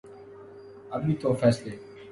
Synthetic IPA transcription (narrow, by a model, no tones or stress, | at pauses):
ɐmniːt̪ʰoːfɛːsleː